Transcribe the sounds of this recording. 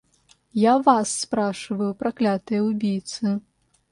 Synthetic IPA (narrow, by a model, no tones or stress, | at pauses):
javasːpɾaʂɨvɐjupɾaklʲat̪ɨjɐwbʲijt̪sɨ